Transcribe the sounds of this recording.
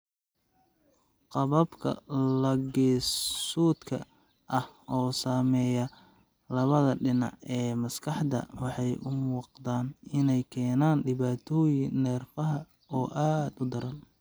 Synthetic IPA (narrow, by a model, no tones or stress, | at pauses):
qɑβɐbkʰɐ̰lɐɡɛːssuːd̪kʰɐ̰ | ʔɐhɔːsaːmɛːjɐ | lɐβɐðɐɖɪnɑ̰ʕɛːmɐskʰɑħd̪ɐ̰wɑħɑjʔʊwɑqd̪aːnɪnɛjkʰɛːnaːnɖɪβaːt̪ʰɔːjɪnɛːrfɐɦɐ | ɔːʔaːd̪ʊd̪ɐɾɐl